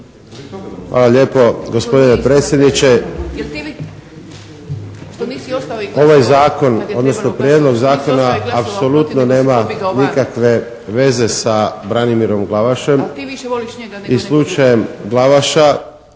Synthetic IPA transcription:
xʋa̰ːlaʎe̞ːpo̞ɡo̞spo̞d̪ine̞pɾe̞ːt̪sʲjed̪nit͡ʃe̞ | o̞ʋajzaːko̞no̞d̪no̞snopɾijed̪no̞ɡzaːko̞naːpso̞lut̪none̞ːmanikakʋe̞ | ʋe̞ze̞sabɾanimiɾo̞mɡlaʋaʃe̞m | islˠut͡ʃaje̞mɡlˠaʋaʃa

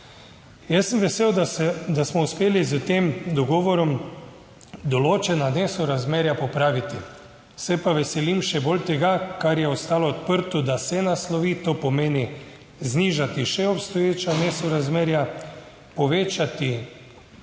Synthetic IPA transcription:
jɛsəmʋɛseːwd̪ɛd̪asmɔuspeːlizət̪emd̪ɔɡɔːʋɔɾɔm | d̪ɔloːt͡ʃɛnaneːsɔɾazmeːɾjapopɾaːʋit̪i | sɛpaʋɛsɛlimʃɛbolt̪ɛɡakaɾjɛɔst̪aːlɔːt̪pəɾt̪ɔd̪asɛnaslɔʋiːt̪opɔmeːni | zniːʒat̪iʃɛɔpst̪ɔjeːt͡ʃaneːsɔɾazmeːɾja | pɔʋeːt͡ʃat̪i

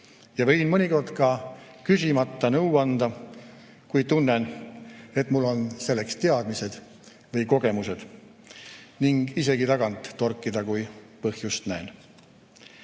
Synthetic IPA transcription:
jɑvɤ̞jnmɤnʲiko̞rd̪̥kɑ | kysʲimɑt̪ːˑɑnɤwɑnd̪̥ɑ | kujt̪unːen | e̞t̪ːˑmulːo̞nse̞lːe̞kst̪e̞ɑd̪̥mise̞d̪̥ | vɤjko̞ɡ̥e̞muse̞d̪̥ | niŋɡ̥ise̞ɡit̪ɑɡɑnt̪ːo̞rkːˑid̪̥ɑkuj | pɤhjust̪næen

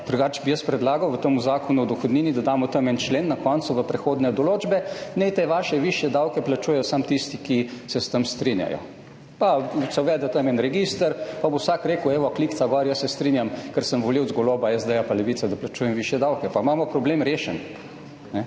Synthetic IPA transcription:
d̪̥ɾuɡaːt͡ʃbijəspɾɛd̪laːɡɐwʋət̪əmuzaːkɔnuwd̪ɔxɔd̪niːnid̪ad̪amɔt̪əmɛnt͡ʃleːnːakɔnt̪suʋəpɾɛxoːd̪nɛd̪ɔloːd͡ʒbɛnɛt̪eʋaːʃɛʋiʃjɛd̪awkɛplat͡ʃuːjɛjɔsamt̪ist̪ikisɛst̪əmst̪ɾinja̰jɔ̰ | pasɛwʋɛːd̪ɛt̪əmɛnɾɛɡiːst̪əɾpabowsaːkɾeːkəwɛːʋɔklikt̪saɡɔɾjəsːɛst̪ɾinjamkəɾsəmʋɔliwd̪zɡɔloːbaɛzd̪ɛjapalɛʋiːt̪sɛd̪aplat͡ʃuːjɛmʋiʃjɛd̪awkɛpamamɔpɾɔbleːmɾeːʃɛn | nɛ

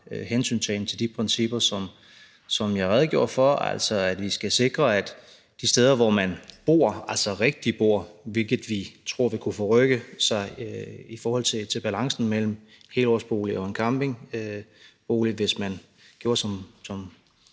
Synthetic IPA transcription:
hensy̰ːnsʰen̩t͡sʰe̝ld̥ipʰʁɛnsib̥ɐsɒ̽m | sɒ̽mjɑ̈ɪʁɛð̞ˠɡjo̝ːɐ̰fɒæ̰l̰sɒ̽æd̥ʋisɡ̥æse̝ɡ̥ʁɐæd̥ | d̥isd̥eːð̞ˠɐʋɒmænb̥o̝ːɐ̰ælsɒʁɛɡ̥̚d̥ib̥o̝ɐ̰ʋe̝lɡ̥ð̩ˠʋit͡sʰʁo̝ɐ̰ʋikʰufɔʁœɡ̥əsɑ̈ɪifɒːhɒ̽l̰t͡sʰe̝t͡sʰe̝lb̥ælɑ̈ŋsn̩mel̰m̩ | he̝lɒsb̥o̝̰ːliɒ̽enkʰɑmb̥e̝ŋ | b̥o̝ːliʋe̝smæn | ɡ̥jo̝ːɐsɒ̽msɒm

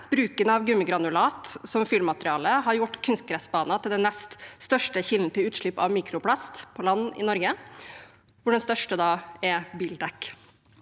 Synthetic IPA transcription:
b̥ɾʉːkənɑʋɡʉmːəɡɾɑnʊlɑːt̪sɔmfɪlmːɑt̪ɾɪɑːləɦɑɾjʊʈːkʰʉnst̪̚ɡɾɛsbɑːnɑt̪ʰɪld̪ɛnnɛst̪st̪œʂʈəçɪln̩t̪ʰɪlʉːt̪ʂlɭɪpːɑʋmiːkʰɾʊpʰlɑst̪pʰɔlɑnːɪ̰nɔɾɡə | ʋʊɖɛnst̪œʂʈəd̪ɑːɛbiːld̪ɛkː

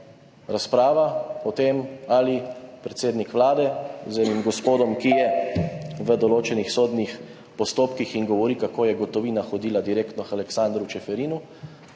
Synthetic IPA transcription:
ɾaspɾaːʋaɔt̪eːmalipɾɛt̪seːd̪nikʋlaːd̪ɛzenimɡɔspoːd̪ɔmkijɛ | ʋəd̪ɔloːt͡ʃɛnixsoːd̪nix | pɔst̪oːpkixiŋɡɔʋɔɾikakoːjɛɡɔt̪ɔʋiːnaxɔd̪iːlad̪iɾeːkt̪nɔxalɛksand̪ɾut͡ʃɛfɛɾiːnu

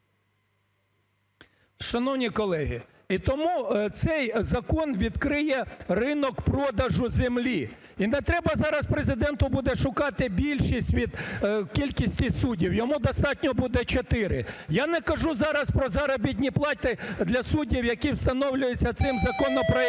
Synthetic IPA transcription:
ʃɐnɔwnʲikɔlˠɛɦi | it̪ɔmut̪sɛjzɐkɔnʋʲid̪kɾɪjɛrɪnɔkpɾɔd̪ɐʒʊzemlʲi | inɛt̪ɾɛbɐzɑɾɐspɾezɪd̪ɛnt̪ʊbud̪ɛʃʊkɑt̪ɪbʲilʲʃisʲtʲʋʲid̪kʲilʲkʲisʲtʲisudʲiwjɔmud̪ɔst̪ɑtʲnʲɔbud̪ɛt͡ʃɔt̪ɪɾɪ̰janɛkɐʒuzɑɾɐspɾɔzɐɾɔbʲit̪̬ʲnʲiplˠɑt̪ʲɪd̪lʲɐsudʲiwjɐkiwst̪ɐnɔwlʲʊjɪt͡sʲːɐt̪sɪmzɐkɔnɔpɾɔ

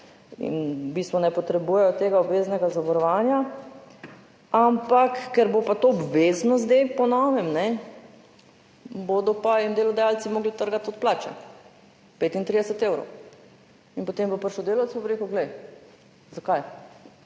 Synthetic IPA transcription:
ḭnbist̪ʋɔnɛpɔt̪ɾɛbuːjɛjɔt̪eːɡaɔbʋeːznɛɡazaʋɔɾɔʋaːnja | ampakːɛɾbopat̪oɔbʋeznɔzd̪ejpɔnɔʋɛmnɛ | bod̪ɔpaind̪eːlɔd̪ajalt̪simoːɡlit̪əɾɡat̪ɔt̪̚plaːt͡ʃɛ̰ | peːt̪int̪ɾid̪ɛsɛt̪eːwɾɔ̰w | inpot̪emʋəpəɾʃɔd̪eːlawt̪sbobɾeːkəʊɡlɛj | zakaj

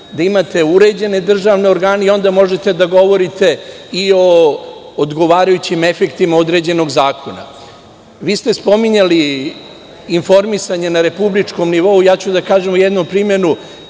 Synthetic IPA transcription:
d̪aimat̪e̞uɾe̞d͡ʑe̞ne̞d̪r̩ʒaːʋne̞o̞ɾɡaːneio̞nd̪amo̞ʒet̪e̞d̪aɡo̞ʋo̞ɾit̪e̞io̞ː | d̪ɡo̞ʋaːɾajut͡ɕime̞fe̞kt̪imaod̪ɾe̞d͡ʑe̞no̞ɡzaːkʰo̞na̰ | ʋiːst̪e̞spo̞miɲaliː | nfo̞ɾmisaɲenaɾe̞publit͡ʃko̞mniʋo̞ujaːt͡ɕud̪akaːʒe̞mojɛd̪nompɾimje̞nu

